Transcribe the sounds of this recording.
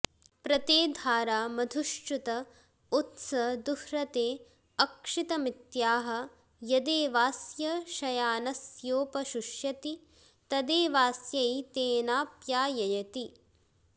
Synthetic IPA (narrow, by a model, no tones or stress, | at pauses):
pɾɐt̪eːd̪ʱaːɾaːmɐd̪ʱuʃt͡ʃut̪ɐ | ut̪sɐd̪uhɾɐt̪eː | ɐkʂit̪ɐmit̪jaːɦɐ̆ | jɐd̪eːʋaːsjɐʃɐjaːnɐsjoːpɐʃuʃjɐt̪i | t̪ɐd̪eːʋaːsjɐjt̪eːnaːpjaːjɐjɐt̪i